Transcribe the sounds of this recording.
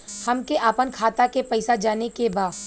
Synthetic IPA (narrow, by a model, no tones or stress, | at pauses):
hɐmkeʔaːpənkʰaːt̪akepɐɪsad͡ʒaːnekebaːd